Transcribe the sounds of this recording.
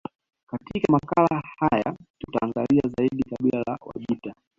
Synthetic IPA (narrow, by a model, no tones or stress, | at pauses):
katikamakalahajatutaːŋɡaliazaiɗikaɓilala̰wa̰ʄita